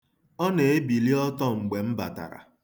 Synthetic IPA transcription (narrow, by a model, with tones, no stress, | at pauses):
ɔ˦ne˨e˦bi˨li˦ɔ˦tɔ˦˨ŋ͡m̩˨ɡ͡be˨m̩˦ba̰˨ta̰˨ɾa̰˨